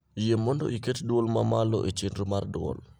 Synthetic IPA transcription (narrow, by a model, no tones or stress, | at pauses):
jemːɔndo̰ʔiketdwolmamalo̰ʔet͡ʃendɾumardwɔ̰l